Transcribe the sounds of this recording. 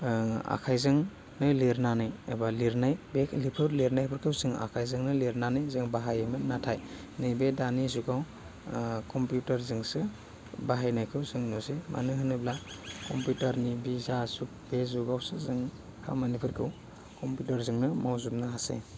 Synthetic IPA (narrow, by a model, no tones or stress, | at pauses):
a̰kʰajzɯŋ | nɯliɾnanɯjebaliɾnajbelipʰɯɾleɾnajpʰɯɾkʰɯwzɯŋa̰kʰajzɯŋnɯleɾnanɯjzɯŋbaɦajemɯnatʰaj | nɯjbedanizuɡaw | kɔmpjutaɾzɯŋsɯ | baɦajnajkʰɯwzɯŋnɔsema̰nɯɦɯnɯblakɔmpjutaɾnibizasuk̚b̥ezuɡawsɯzɯŋ | kʰa̰manipʰɯɾkʰɯw | kɔmpjutaɾzɯŋnɯmawzumnaɦasḛ